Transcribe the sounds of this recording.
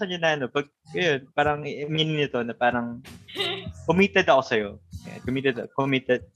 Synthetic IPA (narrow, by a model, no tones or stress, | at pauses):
ɐnɲɐnɐʔɐno̞pɐɡ̚jonpaːɾɐŋminɪnɪt̪o̞nɐpaːɾɐŋ | kʊmiːt̪ɛd̪ɐko̞sɐjo̞ja̰nkʊmiːt̪ɛd̪ɐkomiːt̪ɛd̪̚